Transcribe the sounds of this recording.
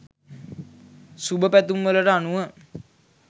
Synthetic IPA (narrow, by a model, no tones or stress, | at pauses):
subəpæt̪umʋələɾəanuʋə